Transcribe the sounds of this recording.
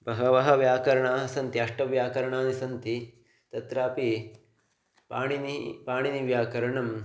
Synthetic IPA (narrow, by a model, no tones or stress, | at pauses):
bɐɦɐʋɐɦɐʋjaːkɐɾɐɳaːsɐnt̪iɐʂʈɐʋjaːkɐɾɐɳaːnisɐnt̪i | t̪ɐt̪ɾaːpi | paːɳinipaːɳiniʋjaːkɐɾɐɳɐm